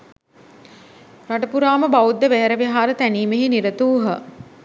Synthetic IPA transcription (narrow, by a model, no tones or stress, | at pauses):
raʈəpuɾaːməbaud̪ːəʋeɦəɾəʋiɦaːɾət̪æniːmeɦeniɾət̪uːɦə